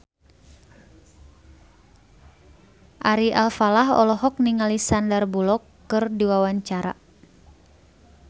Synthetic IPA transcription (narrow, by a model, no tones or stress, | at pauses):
ʔaɾiʔalfalaɦɔ̰lɔɦɔk̚niŋalisandərbulɔkːɨrdiwawaɲt͡ʃaɾa̰